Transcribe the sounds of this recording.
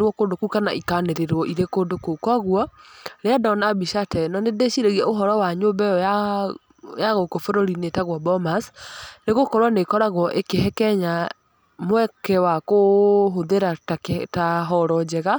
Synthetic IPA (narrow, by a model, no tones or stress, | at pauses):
ɾwɔkondokukana̰ʔikaneɾeɾwɔʔiɾekondokokwaɣwɔɾeadɔnabiʃatɛnɔnedeʃiɾeɣiɛoɦɔɾɔwaɲobɛa | jaɣokofɛɾɔɾinetaɣwɔbɔmasneɣokɔɾwanekɔɾaɣwɔʔekeɦɛkɛɲa | mwɛkɛwakoɦoðeɾattaɦɔɾɔd͡ʑɛɣa